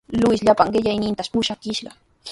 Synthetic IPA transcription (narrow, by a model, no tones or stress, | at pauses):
lʊɪsʎapaŋɢɪʎajnɪnt̪aspʊʃakɪʃɢɑ